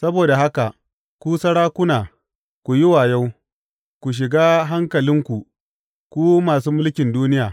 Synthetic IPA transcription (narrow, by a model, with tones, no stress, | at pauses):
sɐ˦boː˨da˨ɦa˦ka˨ | kʷuː˦sɐ˦ɽaː˦kʷʊ˦naː˨ | kʷu˨ji˦waː˨ja˦w | kʷu˨ʃ̬ɪ˨ɡaː˦ɦa˦ŋkɐ˨lɪ˦ŋkʷu˨ʔ | kʷuː˦maː˨suː˦mʊ˦lkʲɪ˨nduː˦nɪ˦jaː˨